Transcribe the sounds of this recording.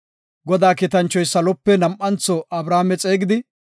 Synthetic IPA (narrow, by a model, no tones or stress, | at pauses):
ɡɔd̪aːkɪt̪ɐnt͡ʃːɔjsɐlɔpːɛnɐmʔɐnt͡sɔʔɐbɾaːmɛt͡sʼe̞ːɡɪd̪ɪ